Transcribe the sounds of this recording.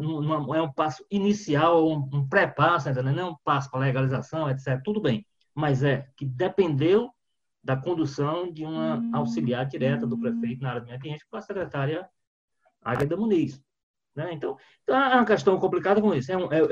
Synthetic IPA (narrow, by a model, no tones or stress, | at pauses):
nũnũmɐ̃ɛũpasʊ̥inisiawoũũpɾɛpasʊẽt̪ẽd̪enɛũpasʊ̥paɾɐlɛɡalizasɐ̃w̃ɛt̪sɛt̪ɾɐt̪ud̪ʊbẽj̃ | mɐjzɛkɪd̪epẽnd̪ew | d̪ɐkõnd̪usɐ̃w̃d͡ʒɪũmɐawsiliaɾd͡ʒiɾɛt̪ɐd̪ʊpɾefejt̪ʊnɐaɾjɐd̪ɐmĩɲɐkiẽt͡ʃkõɐsɛkɾɛt̪aɾiɐ | a̰ɡɐd̪ɐmũnis | nɛẽt̪ɐ̃w̃ | ẽt̪ɐ̃w̃ɛɛũɐkɛʃt̪ɐ̃w̃kõplikad̪ɐkõisʊɛũʔɛ